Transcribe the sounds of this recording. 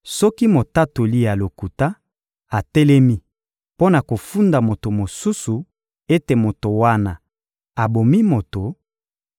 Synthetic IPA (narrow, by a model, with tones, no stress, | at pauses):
sɔ˦ki˦mo˨ta˦to˨li˦ja˨lo˨ku˨ta˦ | a˨tɛ˦lɛ˦mi˦ | po˦na˨ko˨fu˦nda˨mo˨to˨mo˨su˦su˨ | e˦te˨mo˨to˨wa˦na˨ | a˨bo˨mi˦mo˨to˨